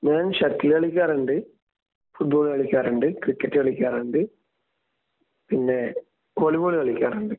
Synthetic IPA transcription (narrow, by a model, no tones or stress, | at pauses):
neːnʃɐkt̪ːɪlɐɭɪkʲːaːɾɐɳɖɯ | fʊʈ̚boːlɐɭɪkʲːaːɾɐɳɖɯkɾɪkːɛʈːɐɭɪkʲːaːɾɐɳɖɯ | pɪnːe | oliʋoːɭɐɭɪkʲːaːɾɐɳɖɯ